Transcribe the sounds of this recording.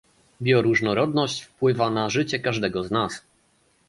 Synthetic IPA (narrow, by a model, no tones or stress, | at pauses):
bʲjɔɾuʐnɔɾɔd̪nɔɕt͡ɕfpwɘvanaʐɘt͡ɕɛkaʐd̪ɛɡɔznas